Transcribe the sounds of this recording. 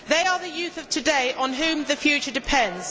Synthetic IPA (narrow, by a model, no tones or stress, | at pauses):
ðeɪəðəjʉˑθəv̥tʰədeɪʔə̃nɦʉ̃ːmðəfjʉˑt͡ʃədɪpʰɛ̃ndz̥